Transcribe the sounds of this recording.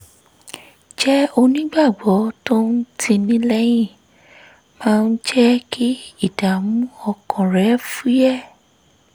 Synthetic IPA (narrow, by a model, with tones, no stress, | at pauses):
d͡ʒɛ˦o˧nĩ˦ɡ͡ba˦˨ɡ͡bɔ˨˦to˦n̩˦tʰĩ˧nĩ˦lɛ˦j̃ĩ˦˨ | mã˦˧n̩˦d͡ʒɛ˦kʰi˦i˦˨d̥a˨m̃ũ˦ɔ˧kɔ̃˨ɾɛ˨˦fu˦jɛ˦˨